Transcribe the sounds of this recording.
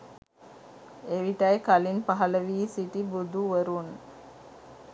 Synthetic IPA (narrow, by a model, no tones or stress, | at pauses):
eʋiʈajkalinpaɦɐləʋiːsiʈibud̪uʋəɾun